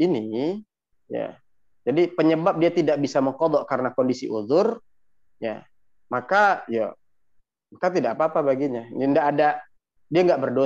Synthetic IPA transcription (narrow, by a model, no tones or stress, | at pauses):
ini | ja̰ | d͡ʒadipəɲəbap̚diat̪idaʔbisaməŋkɔd̪ɔʔkaɾənakɔndisiʔuðʊr | ja̰ | makaja̰ | makat̪̬idaʔkapaːpabaɡiɲaəndaʔːda | diaŋɡaʔbərdo